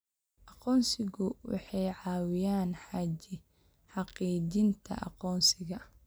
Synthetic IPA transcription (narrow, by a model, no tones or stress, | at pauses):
ʔɑqɔːnsɪɣʊwɑ̰ħɑjʕɑːwɪjaːnħɑːt͡ʃɪ | ħɑqiːd͡ʒɪnt̪ʰɐ̰ʔɑ̰qɔːnsɪɣɐ